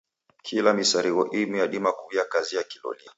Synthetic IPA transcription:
kʰilamisaɾiɣɔʔimujaɗimakujakaziakilɔ̰nia

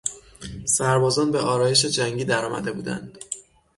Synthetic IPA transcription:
sæɾbɒːzɒːnbe̞ʔɒːɾɒːje̞ʃ̬e̞d͡ʒæŋɟiːd̪æɾɒːmʔæ̰d̪e̞buːd̪æ̰nd̪̥

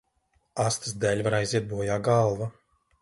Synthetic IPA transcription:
ast̪ɨsd̪ɛlʲvaɾajziɛt̪̚buɔjaːɡalˠva

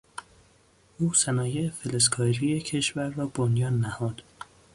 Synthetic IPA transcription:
ʔuːsænɒːjeefeleskʰɒːɾijecʰe̞ʃvæɾːɒːbonjɒːnːæhɒːd̪̥

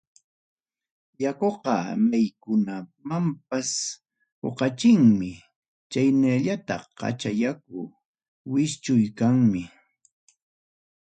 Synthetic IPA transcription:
jakoqɑmajkʊnamamp̚as | ho̰qɑt͡ʃɪŋmɪ | t͡ʃajnaʎat̪aqɑ̰t͡ʃajak̚ʊ | wɪst͡ʃʊjkaŋmɪ

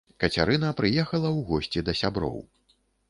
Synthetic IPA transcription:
kɐt͡sʲa̰ɾɨnɐpɾɨjɛxɐlˠɐwɣɔsʲt͡sʲid̪ɐsʲabɾɔ̰w

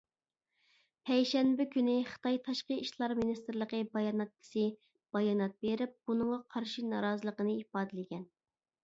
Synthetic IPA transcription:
pʰɛjʃɛnbɪkʲynɪχə̥t̪ʰɑjt̪ʰɑʃqəiʃlˠɑɾminist̪ɨɾlˠəqəbɑjɑnɑt̪̚kʰʲɪ̥sɨ | b̥ɑjɑnɑt̪̚beɾɪp̚b̥unɨŋʁɑqʰɑɾʃinɑɾɑːzəlˠəqənɨipɑːd̪ɪlɪɡʲɛn

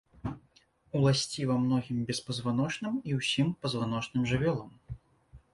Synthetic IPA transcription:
ulˠasʲt͡sʲivamnɔɣʲimbʲɛspɐzvanɔt͡ʂnɨmiwsʲimpɐzvanɔt͡ʂnɨmʐɨvʲɔlˠɐm

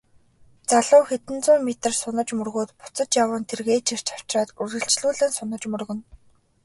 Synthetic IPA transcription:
t͡saɮʊːxet̪ɘ̆nt͡sʊːmet̪ə̆rsʊnə̆t͡ɕmɵrɣoːt̪pʊ̥t͡sə̆t͡ɕjawə̆ːnt̪ʰerɣeːt͡ɕʰir̥t͡ɕʰḁw̥t͡ɕraːt̪urɣɘ̆ɬt͡ɕɮuːɮɘ̆ːnsʊnə̆t͡ɕmɵrɣɵ̆n

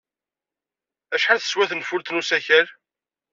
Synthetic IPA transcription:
æʃħanθə̥swæθənfʊɾt̪nusæçəɾ

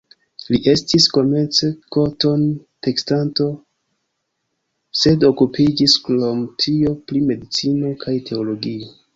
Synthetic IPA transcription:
liʔe̞stisko̞me̞nt͡se̞ko̞to̞n | te̞kstanto̞ | se̞do̞kupid͡ʒisklomtʰio̞pɾime̞dit͡sino̞kʰajtʰe̞olo̞ɡio

